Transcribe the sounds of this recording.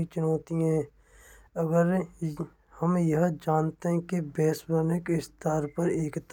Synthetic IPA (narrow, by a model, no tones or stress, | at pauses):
it͡ʃʊnɔːt̪iɦɛ̃ː | ɐɡəɾ | hɐmjɐɦd͡ʒaːnt̪eɦɛ̃kebɛːsbəɾnɪkɪst̪aːɾpɐɾeːkt̪